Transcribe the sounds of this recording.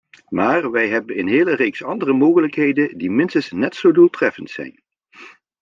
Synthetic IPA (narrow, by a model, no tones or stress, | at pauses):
maːɹʋɛjɦɛbənɪnɦeːlərejksɑndərəmoːɣələkɦejdəndimɪnstənsnɛtsowdulˠtrɛfəntsɛ̰jn